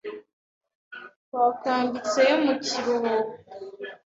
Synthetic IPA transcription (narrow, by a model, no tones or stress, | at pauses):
waːkaːmbit͡sejomuciɾoɾu